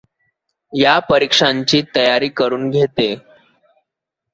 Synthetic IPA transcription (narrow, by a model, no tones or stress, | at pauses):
japəɾikʂaɲt͡ɕiːt̪əjaɾiːkəɾuːnɡʱet̪e